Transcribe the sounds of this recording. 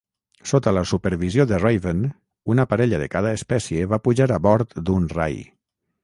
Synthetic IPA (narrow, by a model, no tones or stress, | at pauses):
sot̪ələsupəɾβizijoðərajβən | unəpaɾɛʎəðə̰kaðəespɛsjeβapuʒaɾaβɔɾt̪d̪unra̰j